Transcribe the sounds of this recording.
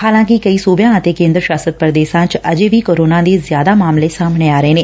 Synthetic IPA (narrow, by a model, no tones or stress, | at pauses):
haːlãːkɪkəiːsuːbjãːət̪eːkẽːnd̪ɾəʃaːsət̪̚pɾəd̪eːʃãːt͡ʃəd͡ʒeːʋiːkoːɾoːnãːd̪eːzjaːd̪aːmaːmleːsaːmɽ̃eːaːɾəeːneː